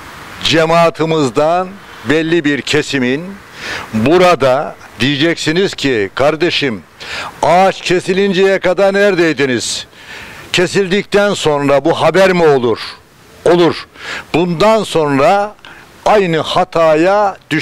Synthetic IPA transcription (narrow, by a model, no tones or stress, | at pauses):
d͡ʒemaːt̪ʰɯmɯzd̪an | bɛlʲːibiɾcʰe̞simin | buɾad̪a | d̪ijid͡ʒɛcsiniz̥cʰikʰaɾd̪e̞ʃim | at͡ʃcʰe̞silʲind͡ʒejɛkad̪aɾnæɾd̪ejd̪iniz̥ | cʰe̞silʲd̪ic̚t̪ænso̞nɾabuɦabæɾmiolˠuɾ | olˠuɾ̥bund̪anso̞nɾa | ajnɯhat̪ʰaːjad̪̥y